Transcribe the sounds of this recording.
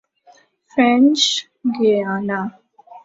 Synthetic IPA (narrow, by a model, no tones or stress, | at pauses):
fɾɛ̃nt͡ʃ | ɡeana